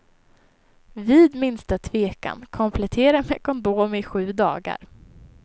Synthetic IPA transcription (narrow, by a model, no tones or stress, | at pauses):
viːd̪mɪnst̪at̪ʰveːka̰nkʰɔmpʰlɛt̪ʰeːɾamɛkʰɔnd̪oːmɪɧʉ̟ːd̪ɑ̰ːɡa̰ɾ